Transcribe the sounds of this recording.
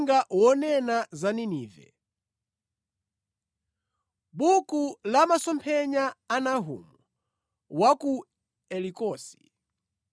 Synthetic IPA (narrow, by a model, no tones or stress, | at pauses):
ŋɡawɔnɛnazaniniːvɛ̰ | bukulamasɔmpʰɛɲaːnaɦṵmu | waku | ɛlikɔːsi̥